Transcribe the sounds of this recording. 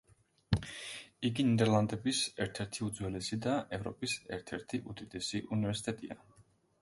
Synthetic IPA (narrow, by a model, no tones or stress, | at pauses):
iɡinid̪ɛɾlˠand̪ɛbisɛɾt̪ʰɛɾt̪ʰiud̪zwɛlɛsid̪aʔɛvɾɔ̰pʼisɛ̰ɾt̪ʰɛɾt̪ʰiʔud̪id̪ɛsiʔunivɛɾsi̥t̪ʼɛt̪ʼḭa̰